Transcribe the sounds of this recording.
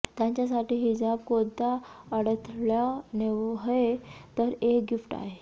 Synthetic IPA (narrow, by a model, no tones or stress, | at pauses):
t̪jãɲt͡ɕjasaʈiːɦid͡ʑabkod̪aəɽət̪ʰɭjaneʋɦet̪əɾekɡifʈa̰ɦe